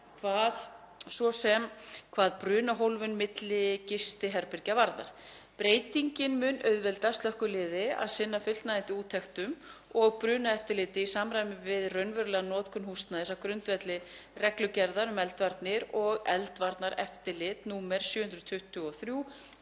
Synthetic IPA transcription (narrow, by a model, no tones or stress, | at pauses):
kʰvaːð | svɔsɛmkʰvaːðpɾʏːnaɦowlvʏnmɪt̪lɪcɪst̪ɪɦɛɾpɪɾcavaɾða̰ɾ̥ | pɾeːjt̪iɲcɪnmʏnœɥðvɛlt̪ast̪lœhkʏlɪːðɪa̰ðsɪnːafʏl̥t̪naɪnt̪ɪuːt̪ʰːɛxt̪ʏmɔɣpɾʏːnaɛft̪ɪlɪːt̪ɪisaːmɾaːjmɪvɪðrœɥnvœɾʏlɛɣanɔːt̪kʰʏnhust̪naðɪsavkɾʏnt̪vɛt̪lɪrɛklʏcɛɾðaɾʏmɛlt̪vaɾt̪nɪɾɔɣɛlt̪vaɾt̪naɾɛ̰ft̪ɪlɪːt̪nuːmɛɾ̥sjʏːhʏnd̪ɾʏðt̪ʰʏht̪ʏɔθɾju